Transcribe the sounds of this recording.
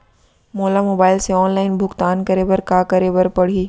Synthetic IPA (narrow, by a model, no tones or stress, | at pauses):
moːlamoːbaːɪlseɔːnlaːɪnbʱʊkt̪aːnkɐɾebɐɾkaːkɐɾebɐɾpɐɽ̤iː